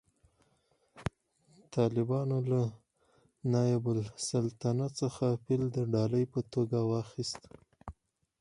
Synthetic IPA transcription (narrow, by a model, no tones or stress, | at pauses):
t̪ʰɑlɪbɑnola | nɑjabʊlsalt̪anat͡səxapɪld̪əɖɑləjpət̪oɡawɑxist̪